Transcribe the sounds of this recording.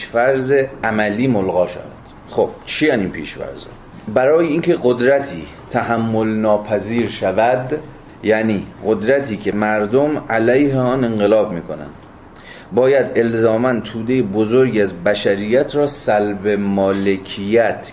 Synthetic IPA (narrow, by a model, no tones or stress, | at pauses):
ʃfæɾzeæmæliːmolɣɒːʃæ̰væ̰d̪̥ | xob̥t͡ʃʰiæniːnpʰḭːʃfæ̰ɾzɒ̰ | bæɾɒːjeiːncʰe̞ɢod̪ɾæt̪ʰḭː | t̪ʰæɦæmːolnɒːpʰæziːɾʃævæd̪ | jæʔniːɢod̪ɾæt̪ʰiːcʰe̞mæɾd̪omælæjheɒːne̞ŋɢelɒːb̚miːkʰo̞næ̰nd̪̥ | bɒːjæd̪e̞lzɒːmænt̪ʰuːd̪ejebozoɾɡæzbæʃæɾijæt̪ʰɾɒːsælbe̞mɒːlekʰijæt̪ʰ